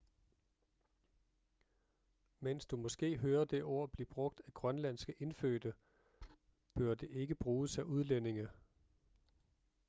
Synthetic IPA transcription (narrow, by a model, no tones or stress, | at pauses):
men̰sd̥umɒ̽sɡ̥e̝̰ːɦøːɐd̥e̝ʔo̝̰ɐ̰b̥lib̥ʁɔ̽ɡ̥̚d̥æɡ̥ʁɶnlæn̰sɡ̥əʔe̝nføːd̥ə | b̥øɐd̥e̝ʔe̝ɡ̥əb̥ʁuːsɑʔuð̞ˠlene̝ŋə